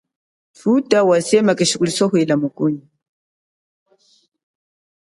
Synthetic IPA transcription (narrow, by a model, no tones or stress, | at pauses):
futawasemakiʃikʼulsoɦilamukuni